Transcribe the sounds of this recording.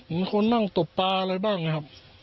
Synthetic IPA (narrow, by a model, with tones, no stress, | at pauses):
ni˧˦nkʰo˧˥˨nːa˥˩ŋt̪o˨˩pːaː˧laː˧jdaː˥˩jŋa˧jkʰa˧˥p̚